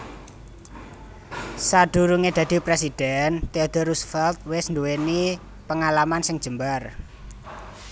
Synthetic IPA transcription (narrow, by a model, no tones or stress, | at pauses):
sad̪̥ṳɾuŋed̪̥ä̤d̪̥i̤pɾesid̪̥ɛnt̪eod̪̥ɔrɾusfɛlt̪̚wɪsnd̪uweni | pəŋalamansɪŋd̥ʒ̥ə̤mbar